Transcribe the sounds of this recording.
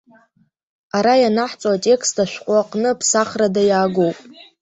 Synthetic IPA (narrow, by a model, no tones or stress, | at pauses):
aɾajanaħt͡sʼoatʲʼe̞kʰstʰaʃʷᶣqʷʼaqʼnɨpʰsaχradajaːɡowpʼ